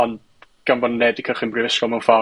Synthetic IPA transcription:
ɔnd | ɡ̥ambɔnːɛdikʰəχinmbrɪvɪskɔmnfa

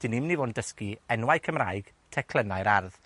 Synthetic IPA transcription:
d̥ɪnɪmnivoːndəskiɛnwajkʰəmraːjɡ̥ | tʰɛkʰlˠənajɾarð

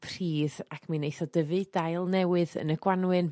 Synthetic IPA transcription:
pʰr̥iːðakʰminejθɔdəvɨd̥ajlˠnɛwɨðə̰nəɡ̥wanwɨn

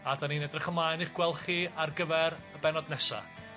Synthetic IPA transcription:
adaninɛdrɪχəmlˠajniχɡ̥wɛlˠχiarɡəvɛɾəbɛnɔdnɛsa̰

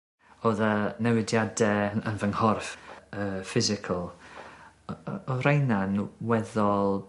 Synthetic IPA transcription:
oːðənɛwɪdjadɛənvəŋhɔrfəːfɪzɪkʰəlˠ | ɔɾejnanwɛðɔlˠ

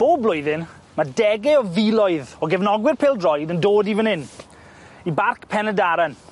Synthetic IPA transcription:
b̥oːblˠʊjðɪn | madɛɡɛɔðilɔɨðɔɡɛvnɔɡwɪrpʰɪːlˠdrɔjdəndoːdivənɪn | ibarkʰpʰɛnədaɾan

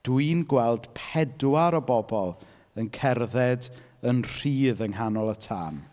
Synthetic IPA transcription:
d̥wɨnɡwɛlˠd̥pʰɛdwaɾɔbɔbɔlˠ | ənkʰɛrðɛd | ənr̥iːðəŋɦanɔlˠətʰa̰ːn

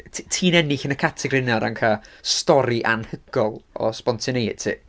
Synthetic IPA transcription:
tʰiːnɛnɪɬənəkʰatʰɛɡrɪnɔɾankʰastɔɾiʔanhəɡ̥ɔlˠɔ̰spɔntʰɪnejtʰɪ̰ː

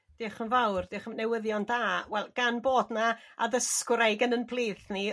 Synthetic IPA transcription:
d̥ɪχənvawrd̥ɪːχəmnɛwəðjɔndaːwɛlˠɡ̥anboːdnaa̰ðəskɾajɡənənpʰlˠiːθni

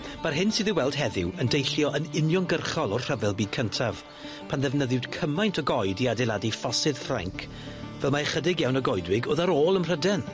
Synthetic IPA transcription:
b̥arɦɪnsɪðɪwɛlˠd̥ɦɛðɪwəndejɬjɔʔənɪnjɔnɡərχɔlˠɔrr̥əvɛlˠbiːd̚kʰəntʰav̥ | pʰanðɛvnəðɪwd̥kʰəmajntʰɔɡɔjdiadɛlˠadifɔsɨð̥fra̰ŋkʰ | vɛlˠmaχədɪɡjawnəɡɔjdwɪɡoːðaɾoːlˠənr̥ədɛn

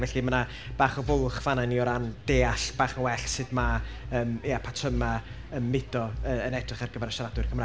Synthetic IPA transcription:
vɛɬiməna | b̥aːχɔvʊlˠχvananiɔɾand̥eːaɬb̥aːχnawɛɬsɨdma | əːmjapʰatʰəma | əmːɪd̥ɔəənɛdrɪχarɡəvɛɾʃradwʊɨrkʰəmraː

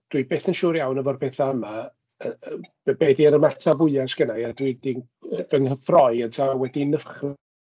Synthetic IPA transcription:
d̥wibeːθənʃuːɾjawnəvɔr̚pʰeːθaəma | əbbeːdiəɾəmatʰavʊɨasɡ̥ənajadwidin | dənɦəθrɔɨəntʰawɛdinəχr

